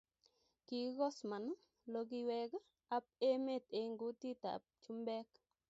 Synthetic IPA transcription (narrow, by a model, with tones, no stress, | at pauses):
ki˨˦ɡɔ˦sma˨n˦ | lo˦k̬i˦wɛ˦ɡ | a˦p̚e˦me˦˨t̪e˨ŋɡu˦ti˦ta̰˨p̚t͡ʃu˦mbɛ˦k